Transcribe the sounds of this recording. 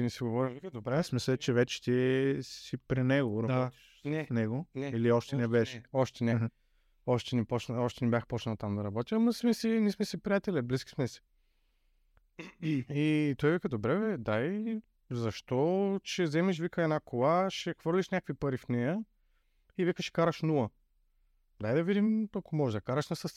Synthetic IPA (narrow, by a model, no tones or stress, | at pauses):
inisɛɡovɔɾivid̪bɾɛsmisɛt͡ʃɛvɛt͡ʃɛ̥t̪ʲiɛssipɾinɛɡoɾɐ̥ | nɛnɛɡoɛiliɔʃt̪ɛnɛbɛʃɛɔʃt̪ɛnɛ | ɔʃt̪ɛnipɔt͡ʃnɔʃt̪ɛnɛbʲjaxpɔt͡ʃnɐlˠɐt̪amd̪ɐɾɐbɔt̪ʲəɐmɐsmɛsinismɛsipɾijat̪ɛlɛbliskʲi̥smɛsɛ̥ | it̪ɔjvɛkəd̪obɾɛvɛd̪aj | zɐʃt̪ɔt͡ʃɛzɛmɛʃ̬vikəɛnakʰolˠaʃɛxv̥ɤɾlʲiʃnʲakəkvipɐɾifnɛjə | ivɛkəʃɛ̥kaɾɐʃnulˠə | d̪ajd̪ɐvid̪imɐkomɔʒɛd̪ɐkaɾɐʃnɐsɐs